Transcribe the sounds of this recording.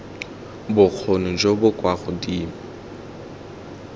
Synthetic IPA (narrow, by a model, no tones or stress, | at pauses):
bʊk͡xʰonʊd͡ʒobʊkʼwaɣʊdiːma